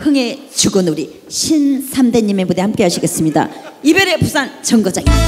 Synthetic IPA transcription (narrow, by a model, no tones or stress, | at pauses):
hɯŋe̞ | t͡ɕuɡɯnuɾi | ɕʰinsʰamdeɲimebudehamk͈e̞ɦaɕʰiɡe̞s͈ɯmɲida̰ibeɾe̞pusʰant͡ɕʌŋɡʌd͡ʑaŋi